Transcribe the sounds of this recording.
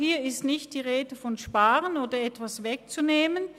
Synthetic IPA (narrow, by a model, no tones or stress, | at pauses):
hiːɐɪstnɪçt̚d̥iːʁeːdəfɔnʃpaːʁənoːdɐɛtv̥asvɛk̚t͡suneːmən